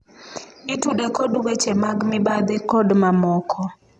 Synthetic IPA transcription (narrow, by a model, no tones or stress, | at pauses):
ɪtudekɔdwet͡ʃemaɡmɪbad̪ɪkɔdmamɔkʰɔ